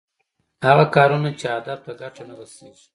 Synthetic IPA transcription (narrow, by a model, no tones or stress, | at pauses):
haɣakɑɾunat͡ʃead̪ab̚t̪aɡaʈanaɣəseɡi̥